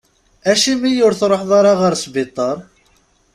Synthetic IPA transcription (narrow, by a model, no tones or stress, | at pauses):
æʃimijʊɾθɾˤoħðˤɑɾˤɑʁəɾsbɪt̪ˤːəɾˤ